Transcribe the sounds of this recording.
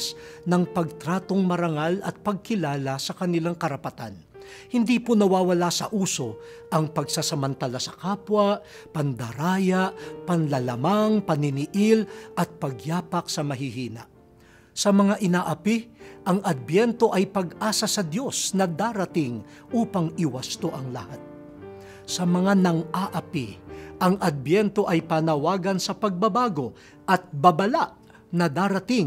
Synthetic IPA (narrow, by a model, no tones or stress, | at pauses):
snɐŋpɐɡ̚t̪ɾaːt̪o̞ŋmɐɾɐŋalɐt̪̚pɐɡ̚kɪlaːlasɐkɐnɪlaŋkɐɾɐpɐt̪a̰n | hɪnd̪iːpʊnɐwaːwɐlasɐ̰ʔuːso̞ | ʔɐŋpɐɡsasɐmɐnt̪alasɐkaːpwaʔ | pɐnd̪ɐɾaːjaʔpɐnlɐlɐmaŋpɐnɪnɪʔɪlʔɐt̪̚pɐɡjaːpɐk̚sɐmɐɦɪɦiːnɐ̰ʔ | sɐmɐŋaʔɪnaʔɐpiʔɐŋɐd̪̚bjɛnt̪o̞ʔɐjpɐɡʔaːsɐsɐd̪jo̞snɐd̪aːɾɐt̪ɪŋ | ʔuːpɐŋɪwɐst̪oʔɐŋlɐ̰hat̪̚ | sɐmɐŋanɐŋaʔɐpiʔɐŋʔɐd̪̚bjɛnt̪o̞ʔɐjpanɐwaːɡɐnsɐpɐɡ̚bɐbaːɡo̞ | ʔɐt̪̚bɐbɐlaʔ | nɐd̪aɾɐt̪ɪŋ